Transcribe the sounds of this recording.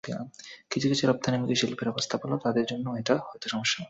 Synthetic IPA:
biakit͡ɕʰukit͡ɕʰuɾɔb̚t̪ʰanimikiʃilpeɾakost̪ʰapalot̪ad̪eɾd͡ʑonːoeʈahɔet̪oʃɔmoʃːa

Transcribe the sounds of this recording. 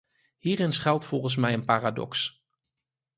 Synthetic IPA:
ɦiːrɪnsχɛlˠtfɔlˠχəns̬mɛjənpaːradɔ̰ks

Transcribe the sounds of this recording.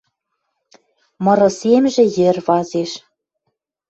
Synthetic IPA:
mɤ̆ɾɤ̆semʒĕjɘ̆rβɑzeʃ

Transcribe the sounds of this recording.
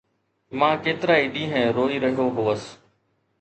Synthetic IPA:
mãːkeːt̪ɪɾaːiɖiːɦɛ̃ːɾoːiːɾəɦijoɦoːəs

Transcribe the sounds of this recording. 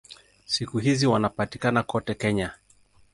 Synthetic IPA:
sikuɦiziwanapatikanakɔtɛkɛɲa

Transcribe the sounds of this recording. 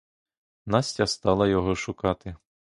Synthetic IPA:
nɑsʲtʲɐst̪ɑlˠɐjɔɦɔʃʊkɑt̪ɪ

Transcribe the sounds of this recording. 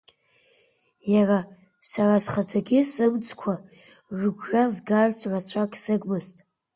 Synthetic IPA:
jara | sarasχad͡zaɡʲɪsɨmt͡sʰʼkʷʰa | ʒɨɡʷʒazɡaʒʷt͡sʷʰʼrat͡ɕʷʰakʼsɨɡʷʼmɨztʼ

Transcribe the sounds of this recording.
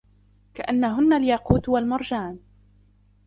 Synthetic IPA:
kaʔanːaɦʊnːaljaquːt̪walmɑɾˤd͡ʒaːn

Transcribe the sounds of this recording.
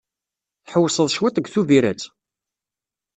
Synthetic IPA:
θħəwːsˤəðˤʃwit̪ˤəɡθuviɾæ̰t͡s

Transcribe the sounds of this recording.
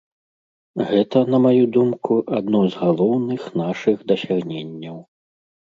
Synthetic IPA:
ɣɛt̪ɐn̪ɐmajud̪umkuʔad̪nɔjzɣalˠɔwnɨxn̪aʂɨɣd̪ɐsʲaɣnʲenʲːɐw

